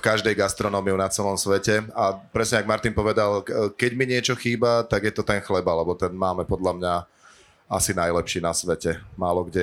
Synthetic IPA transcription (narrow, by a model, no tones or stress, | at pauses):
kaʒd̪ɛjɡast̪ɾɔnɔːmiunat͡sɛlɔmsʋɛcɛapɾɛsɲɛaɡmaɾt̪inpɔʋɛd̪alkɛɟmiɲɪɛt͡ʃɔxiːbat̪aɡjɛt̪ɔt̪ɛnxlɛbalɛbɔt̪ɛnmaːmɛpɔd̪lʎamɲa | a̰sinajlɛpʃiːnasʋɛcɛmaːlɔɡɟɛ